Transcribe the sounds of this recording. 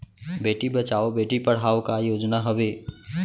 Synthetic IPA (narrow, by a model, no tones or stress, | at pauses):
beːʈibət͡ʃaːobeːʈipəɽ̤aːokajoːd͡ʒnaɦəʋeː